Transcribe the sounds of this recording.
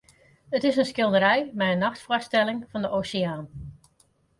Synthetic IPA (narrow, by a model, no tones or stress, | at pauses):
ətɪsənskɪlˠdəɾɛjmɛjənːɑxtfɔstɛlɪŋv̥ɑndəʔowsɪaːn